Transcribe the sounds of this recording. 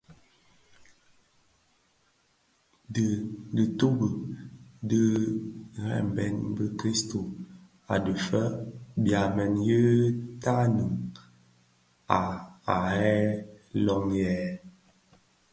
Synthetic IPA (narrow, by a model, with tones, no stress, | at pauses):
də˨də˨to˦bə˨də˦ | hɛ̰˦m˨bɛ˦nbə˦kɾi˦sto˨ | a̰˨də˨fə˦bja˨mɛ˨njə˦ta˦nɨ˨ŋ | a˨a˨hɛ˦lɔ˦ŋjɛ˨˦